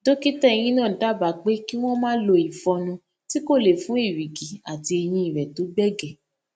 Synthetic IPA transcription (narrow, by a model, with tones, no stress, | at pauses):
do˦ki˦tɛ˦˧j̃ĩ˦nã˦˨da˦ba˨˦k͡pe˦ki˦w̃ɔ̃˦mãː˦lo˧i˨fɔ˧nũ˧ | ti˦ko˦˨le˨fũ˨˦i˦˨wi˨ɡi˨a˨ti˧e˧j̃ĩ˧i˨ɾɛ˨to˨˦ɡ͡bɛ˦ɡɛ˨